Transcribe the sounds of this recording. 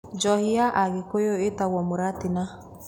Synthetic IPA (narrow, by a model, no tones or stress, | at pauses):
d͡ʒɔhiaʔaɣekojoetawɔmoɾatina